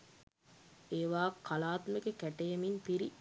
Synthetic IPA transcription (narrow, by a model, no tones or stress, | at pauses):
eːʋaːkʰːalaːt̪meɡekæʈejeminpiɾi